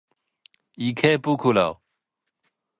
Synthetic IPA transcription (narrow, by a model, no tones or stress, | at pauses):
ikʰepukʰulaw